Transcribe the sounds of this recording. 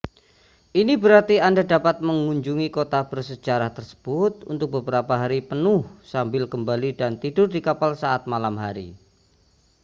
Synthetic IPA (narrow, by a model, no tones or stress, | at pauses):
ʔinibəɾart̪iandadapat̪̚məŋuɲd͡ʒuŋikot̪ab̥ərsə̥d͡ʒaɾaht̪ərsə̥b̥ʊt̪̚ṵnt̪ʊk̚bəbəɾapaɦaɾipənʊhsambɪlkəmbalidant̪idʊrdikapalsaʔat̪̚malamɦaɾḭ